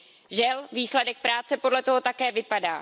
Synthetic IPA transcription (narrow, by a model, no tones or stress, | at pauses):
ʒɛlviːslɛdɛk̚pɾaːt͡sɛpo̞dlɛt̪o̞ɦo̞t̪akɛːvɪpada̰ː